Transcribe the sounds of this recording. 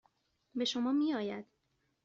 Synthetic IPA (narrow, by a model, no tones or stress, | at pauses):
be̞ʃo̞mɒːmiːɒːjæd̪̥